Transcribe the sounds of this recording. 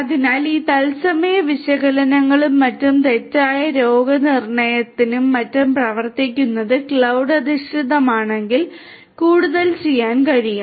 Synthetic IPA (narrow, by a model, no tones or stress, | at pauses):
ɐðinaːliːt̪ɐlsɐmɐjɐʋiɕɐɣɐlɐnɐŋːɐɭumːɐtːumt̪e̞tːaːjɐɾoːɡɐnirɳɐjɐt̪ːinumːɐtːumprɐʋɐrt̪ikʲːunːɐðɨkɭɐwɖɐd̪iʂʈiðɐmaːɳe̞ŋɡil | kuːɽuðɐlt͡ɕe̞jːaːnkɐɻijum